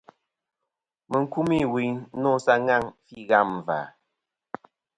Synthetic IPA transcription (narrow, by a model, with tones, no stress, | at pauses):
mə˨ŋ̩˦ku˦mi˦˨wi˨˦nɔ˦sa˦ŋa˦˨ŋfi˦˨ɣa˦˨m˨va̰˨